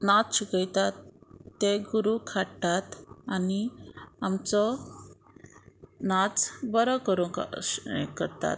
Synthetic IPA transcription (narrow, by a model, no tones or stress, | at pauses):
nat͡sɕukəjt̪at̪ːeɡuɾukʰaɽt̪at̪aniamt͡sɔ | nat͡sbəɾəkəɾuk | kəɾt̪a̰t̪